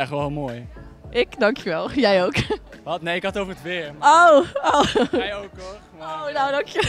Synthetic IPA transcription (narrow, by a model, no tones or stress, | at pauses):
ɛχʋɛlˠɪlˠmoːj | ʔɪkdɑŋkjəʋɛlˠjɛjowk | ʋɑtnejɪkɦɑtowvəɹətʋɪɹowojok | ownawdɑŋkjə